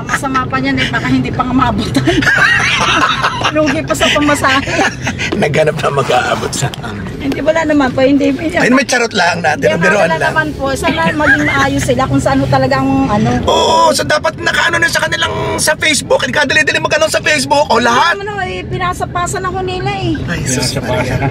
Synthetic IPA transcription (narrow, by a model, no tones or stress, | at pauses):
ɐmɐsɐmaːpɐɲanɐbaːkɐhɪnd̪ipɐŋɐmɐʔɐbuːt̪ɐn | luːɡɪpɐsɐpɐmɐsaːhenɐɡhɐnap̚nɐmɐɡa̰ːʔa̰bot̪̚sɐʔa̰ŋ | hɪnd̪ibɐlanɐmanpohɪnd̪imʊjajʊnmɐjt͡ʃɐɾot̪̚lahɐŋnaːt̪ɪnʊɡ̪ɛɾoɐlalɐmanpoʔsalɐmɐɡɪŋmɐʔaːjosɪlakʊŋsɐʔanot̪ɐlɐɡaʔɐŋmɐʔɐno̞ʔoːʔsod̪aːpɐt̪̚nɐkaʔɐnonjʊnsɐkɐnɪlaŋsɐfɛjsbʊkʔɐɡaːd̪ɐlid̪ɪlɪŋmɐɡʔɐnonsɐfɛjsbʊkʔolɐhɦamɐnɐɐjpɪnasɐpaːsɐnɐko̞nɪlaʔɛajɐsɐpasɐ